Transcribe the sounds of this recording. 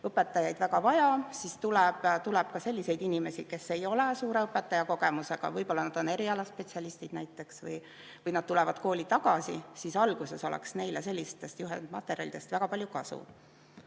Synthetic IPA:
ɤpːˑe̞t̪ːˑɑjɑjd̪væɡɑvɑjɑsist̪ulɛb̥t̪ulɛb̥̚kɑse̞lʲːise̞jd̪̥inime̞si̥ke̞sːe̞jo̞lesuːɾe̞ɤpːˑe̞t̪ːˑɑjɑko̞ɡ̥e̞muse̞ɡ̥ɑ̰vɤjpo̞lːɑnɑd̪̥o̞ne̞ɾiɑlɑspe̞t̪siɑlist̪id̥̪næjt̪ːˑe̞ksvɤ̰j | vɤjnɑd̪̚t̪ulɛvɑd̪̥ko̞ːlʲit̪ɑɡ̥ɑsḭsisɑlɡ̥use̞so̞lɛ̰ksne̞jlese̞lʲːist̪ːe̞st̪juɦḛnd̪̥mɑt̪ːˑeɾjɑ̰lid̪̥e̞st̪væɡ̥ɑpɑlʲjukɑsṵ

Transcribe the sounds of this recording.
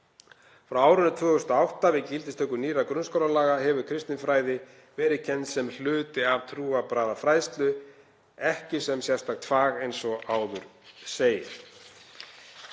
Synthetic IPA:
fɾawaːwɾʏnːʏt̪ʰvœːɣʏst̪awht̪avɪðcɪlt̪ɪst̪ʰœhkʏniːrakɾʏnskowɾalaːɣaɦɛvʏkʰɾɪst̪ɪnfɾaːjðɪ | vɛːɾɪcʰɛnt̪sɛml̥ʏːt̪ɪavt̪ʰɾuːapɾaːðafɾaːjst̪lʏ | ɛhcɪsɛmsjɛ̥st̪ak̚t̪ʰfaːɣejnsɔaːwðʏɾ̥seːjɪɾ̥

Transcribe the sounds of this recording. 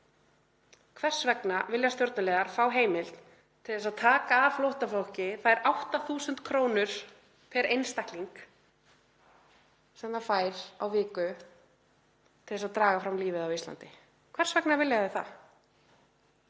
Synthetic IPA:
kʰvɛr̥svɛknavɪljast̪jowɾt̪nalɛːɣaɾ̥faːwɦeːjmɪl̥t̪ | t̪ʰɪlðɛsaðt̪ʰaːkaːflowht̪aflol̥cɪθaɛɾʔawht̪aθuːsʏnt̪kʰɾoːwnʏɾ̥ | p̪ʰɛɾʔejnst̪ahkliŋk | sɛmðafaːjɾawvɪːkʏ | t̪ʰɪlðɛsaðt̪ɾaːɣafɾamliːvɪðawist̪la̰nt̪ɪ | kʰvɛr̥svɛknavɪljaðɪθa̰

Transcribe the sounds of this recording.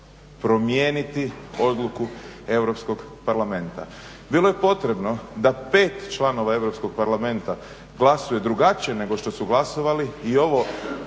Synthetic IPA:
pɾo̞mjeːnit̪io̞d̪lˠukue̞wɾopsko̞ɡpaɾlamẽ̞nt̪a̰ | bilˠo̞je̞po̞t̪ɾe̞bno̞d̪apeːt̪t͡ʃlˠano̞ʋae̞ʋɾopsko̞ɡ̚paɾlame̞nt̪a | ɡlˠasuje̞d̪ɾuɡat͡ɕije̞ne̞ɡo̞ʃt̪o̞suɡlaso̞ʋaliːo̞ʋo̞

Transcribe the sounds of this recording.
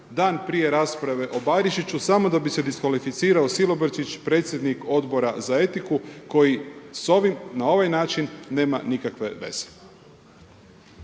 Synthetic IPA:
d̪aːnpɾije̞ɾaːspɾaʋe̞ʔo̞baɾiʃit͡ɕusamo̞d̪abise̞d̪iskʋalifit̪siːɾao̞silo̞bɾt͡ʃit͡ɕpɾe̞ːt̪sʲjed̪niko̞d̪bo̞ɾazae̞t̪ikuko̞jiso̞ʋimnao̞ʋajnaːt͡ʃinːe̞ːmanikakʋe̞̰ʋe̞̰z̥e̥

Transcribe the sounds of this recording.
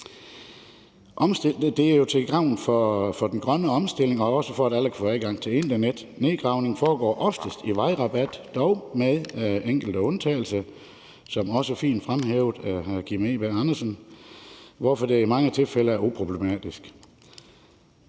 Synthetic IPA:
ʔɒ̽msd̥eld̥e̝æɐjo̝t͡sʰelɡ̥ʁɑ̈ʊ̰n̩fɒfɒ̽d̥en̩ɡ̥ʁɶnəɒ̽msd̥e̝l̰e̝ŋɒ̽ɒ̽səfɒ̽æɾæl̰kʰfɔ̰ːæðˠɡ̥ɑ̈ŋ̰t͡sʰe̝le̝nd̥ɐned̥ | ne̝ːɡ̥ʁɑ̈ʊne̝ŋfɒːɡ̥ɒ̰ːʔɒ̽fd̥əsd̥iʋɑ̈ɪʁɑ̈b̥æd̥ːɒʊmeðˠeŋ̰ɡ̥l̩d̥əɔ̽nt͡sʰɛ̰ːɪl̩sɐ | sɒ̽mɒ̽səfḭːnd̥fʁamɦeːʊð̥ˠæɡ̥imeːb̥æɑ̈nɐsən | ʋɒfɒ̽d̥e̝imɑ̈ŋət͡sʰe̝lfeləæɐupʰʁo̝b̥le̝mɛ̰ːd̥isɡ̥

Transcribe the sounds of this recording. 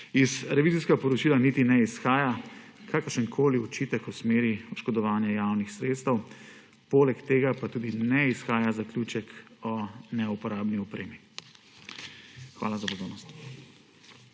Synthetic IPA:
izɾɛʋiːziskapɔɾɔt͡ʃiːlanit̪inɛisxaːjakʰaːkəɾʃənkʰoːliɔt͡ʃiːt̪əkusmeːɾiɔʃkɔd̪ɔʋaːnjajaːwnixsɾeːt̪st̪əw | poːlɛkt̪eːɡapat̪uːd̪inɛisxaːjazakljut͡ʃɛkɔnɛupɔɾaːbniɔpɾeːmi | xʋa̰ːlazapɔd̪oːnɔst̪

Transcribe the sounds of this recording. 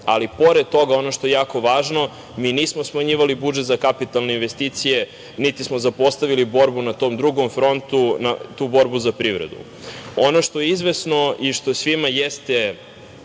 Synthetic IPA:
alipo̞ɾed̪̚t̪o̞ɡao̞noʃt̪o̞jejaːko̞ʋaːʒno̞ | miːniːsmosmaɲiːʋalibud͡ʒet̪zakapit̪alˠne̞inʋe̞st̪iːt̪sije | nit̪ismozapo̞st̪aʋilibo̞ɾbunat̪oːmd̪ɾuɡomfɾo̞nt̪unat̪uːbo̞ɾbuzapɾiʋɾḛd̪ṵ | o̞no̞ʃt̪o̞jeizʋe̞sno̞iʃt̪osʋimajest̪e

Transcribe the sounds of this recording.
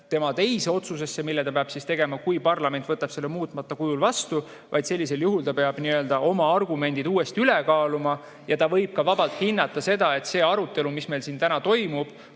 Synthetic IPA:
t̪e̞mɑt̪e̞jseo̞t̪suse̞sːe̞milːɛt̪ɑpeɑb̥sist̪e̞ɡ̥e̞mɑkujpɑrlɑme̞nt̪vɤt̪ːˑɑb̥se̞lːemuːt̪ˑmɑt̪ːˑɑkujulvɑst̪u | vʔɑ̰jd̪se̞lːise̞ljuɦult̪ɑpe̞ɑb̥niø̞ld̪ɑʔo̞mɑɑrɡume̞nʲd̪̥id̪uːe̞st̪iylekɑːlumɑ | jɑt̪ɑvɤ̞jb̥̚kɑvɑb̥ɑlt̪hinːɑt̪ːˑɑse̞d̪̥ɑe̞t̪se̞ːɑɾut̪ːˑe̞lumisme̞jlsiːnt̪ænɑt̪o̞jmub̥

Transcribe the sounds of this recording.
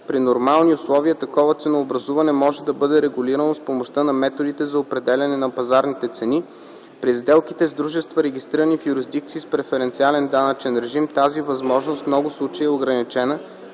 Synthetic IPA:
pɾinoɾmalˠniʊslˠɔviət̪ɐkɔvət̪sɛnoːbɾɐzuvɐnɛmɔʒɛd̪ɐbɤd̪ɛɾɛɡʊliɾənospomoʃt̪ənɐmɛt̪od̪it̪ɛzɐopɾɛd̪ɛlʲɐnɛnɐpɐzaɾnit̪ɛt̪sɛni | pɾizd̪ɛlˠkit̪ɛzd̪ɾuʒɛst̪vəɾɛɡ̟ist̪ɾiɾənifjuɾizd̪ik̚t̪siːspɾɛfɛɾɛnt̪sialɛnd̪anət͡ʃɛnɾɛʒimt̪azivɐzmɔʒnost̪mnɔɡʊslˠut͡ʃeiɛoɡɾɐnit͡ʃɛnə

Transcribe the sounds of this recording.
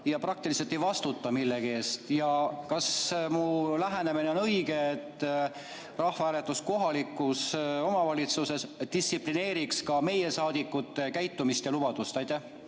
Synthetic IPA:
jɑprɑk̚t̪iliselt̪ːˑe̞jvɑst̪ut̪ːˑɑmilːe̞ɡieːst̪jɑkɑsmulæɦænemine̞onɤjɡ̥e̞et̪ː | rɑhvɑæːle̞t̪ːˑusko̞ɦɑlikːˑuso̞mɑvɑlʲit̪suse̞sd̪̥issipline̞ːɾikskɑme̞je̞sɑːd̪̥ikːˑut̪ːˑekæjt̪ːumist̪jɑlub̥ɑd̪̥ust̪ɑjt̪ːˑæh

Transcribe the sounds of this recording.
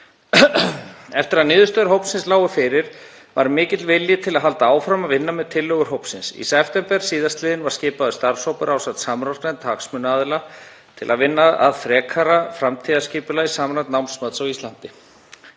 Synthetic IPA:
ɛft̪ɪɾaðnɪːðʏst̪œɾɦowpnsɪnslaːwʏfɪːɾɪɾ̥ | vaɾmɪːcɪt̪lvɪljɪt̪ʰɪlaðɦalt̪aaːwfɾamaðvɪnːamɛðt̪ʰɪlːœɣʏɾ̥ɦowpsɪnsḭsɛft̪ɛmpɛɾ̥siːðast̪lɪːðɪnvaɾ̥scɪːpaðʏst̪aɾshowpʏɾʔaːwsat̪saːmɾɔɾ̥t̪ant̪ʰaːksmʏnaːðɪla | t̪ʰɪ̰la̰ðvɪnːaa̰ðfɾɛːkʰaɾafɾamt̪ʰiðascɪːpʏlaisaːmɾat̪nawnsmœt̪sawist̪ant̪ɪ

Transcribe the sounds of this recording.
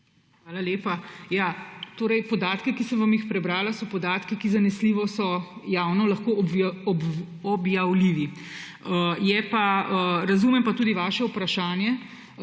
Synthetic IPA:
xʋaːlaleːpajaːt̪oːɾɛjpɔd̪aːt̪kikisəmʋamjixpɾɛbɾaːlasɔpɔd̪aːt̪kikizanɛsliʋɔsɔjaːwnɔlɐxkoːbɔb | ɔbjawliʋi | əjɛpaəɾɐzuːmɛmpat̪uːd̪iʋaːʃɛupɾaʃaːnjɛ

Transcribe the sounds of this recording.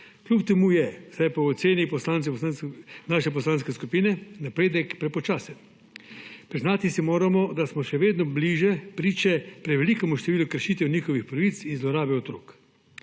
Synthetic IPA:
klʲupt̪ɛmuːjɛzd̪ajpaɔt̪seːnipɔslaːntsɛpɔsansnaːʃɛp̬ɔslaːnskɛskupiːnɛnapɾeːd̪ɛkpɾɛpɔt͡ʃaːsɛ | pɾiznaːt̪isimoːɾamɔd̪asmɔʃɛʋeːd̪nɔbliːʒɛpɾiːt͡ʃɛpɾɛʋɛlikɛmuʃt̪ɛʋiːlukəɾʃiːt̪ɛwnixɔʋixpɾɐʋit̪sinzlɔɾaːbɛɔt̪ɾoːk

